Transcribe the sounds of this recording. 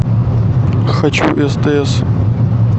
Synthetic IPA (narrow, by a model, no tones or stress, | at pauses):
xɐt͡ɕuʔɛst̪eɛs